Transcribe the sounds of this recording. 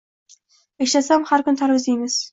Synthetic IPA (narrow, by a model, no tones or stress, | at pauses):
eʃlasamhaɾkʰʊnt̪ʰaɾwɪzd̪ejmɪz̥